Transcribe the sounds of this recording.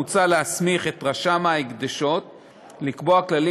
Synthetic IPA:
ut͡salehasmiχe̞t̪ʁaʃamaikd̪aʃo̞t̪̚ | likboaklali

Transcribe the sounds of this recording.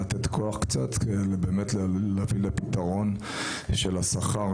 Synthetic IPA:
at̪et̪kʰoaχkt͡sat̪kedelebeːmetllavilepit̪aʁo̞n | ʃelasaχa

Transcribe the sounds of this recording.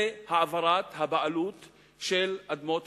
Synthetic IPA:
haavaɾat̪habaʔalut̪ | ʃelʔad̪mot̪

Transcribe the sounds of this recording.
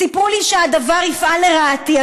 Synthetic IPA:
ipuliʃead̪avaʁifʔaleʁaːt̪ia

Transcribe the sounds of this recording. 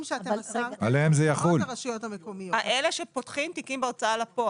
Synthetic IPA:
mʃeatealeemzejaχulaʃujot̪amekomijoaʔeleʃe̞pot̪χimt̪ikimbeat͡saalapo

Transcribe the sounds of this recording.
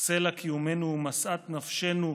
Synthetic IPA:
selakijume̞numasʔat̪nafʃenu

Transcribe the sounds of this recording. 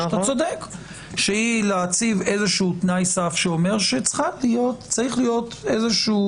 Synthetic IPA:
t̪at͡sod̪ek | ʃeileat͡sivezeʃuut̪najsafʃeome̞ʁʃet͡sχalijo̞t̪t͡saʁiχlijo̞t̪ezeʃu

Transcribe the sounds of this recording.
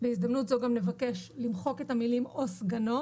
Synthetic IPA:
beizd̪amnutzoɡamne̞vake̞ʃlimχo̞ke̞thamilimosɡano̞

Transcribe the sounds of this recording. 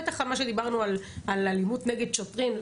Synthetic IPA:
et̪aχalmaʃed̪ibaʁnualalalimut̪neɡed̪̚ʃotʁin

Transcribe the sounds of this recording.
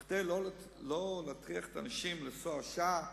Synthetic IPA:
d̪ejlo | lolaːt̪ʁiaχet̪anaʃimlesoaʃa

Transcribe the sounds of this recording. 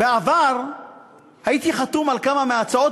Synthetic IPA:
beavaʁ | hajit̪iχat̪umalkamameat͡sao̞t

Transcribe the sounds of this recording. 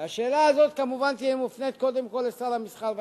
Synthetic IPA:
aʃeːlaːzo̞t̪̚kamuvant̪iimufnet̪̚ko̞d̪e̞mko̞lesalamisχalv

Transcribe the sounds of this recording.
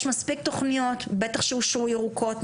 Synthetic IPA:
ʃmaspik̚t̪o̞χnijot̪bet̪aχʃeuʃujeʁukʰo̞t

